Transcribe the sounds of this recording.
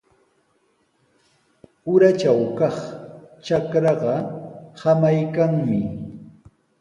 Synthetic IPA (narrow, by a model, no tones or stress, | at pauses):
ʊɾat͡ʃawkɑχt͡ʃakɾɑɢɑhamajkaŋmɪ